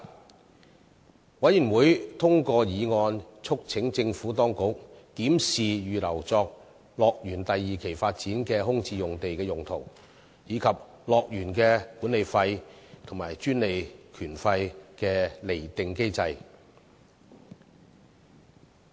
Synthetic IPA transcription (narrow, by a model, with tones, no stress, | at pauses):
wɐ˨˥jy˨˩nwuː˨˥jt̪ʰʊ˥ŋkɔː˧jiː˨˧ŋɔː˧nt͡ʃʰʊ˥k̚t͡sʰɪ˨˥ŋt͡sɪ˧ŋfuː˨˥t̪ɔː˥ŋkʊ˨˥k̚t̪iː˨˥msiː˨jyː˨lɐ˨˩wt͡sɔː˧k̚ | lɔː˨˧k̚jyː˨˩nt̪ɐ˨jːiː˨kʰe˨˩jfaː˧t̚t͡siː˨˥nkɛː˧ɦʊ˥ŋt͡siː˧jʊ˨ŋt̪e˨jkɛː˧jʊ˨ŋt̪ʰo˨˩w | jiː˨˧kʰɐ˨p̚ | lɔː˨k̚jyː˨˩nkɛː˧kuː˨˥ne˨jfɐ˧jt̪ʰʊ˨˩ŋmaː˨˩jt͡ʃyː˥nle˨jkʰyː˨˩nfɐ˧jkɛː˧le˨˩jt̪ɪ˨ŋke˥jt͡sɐ˧j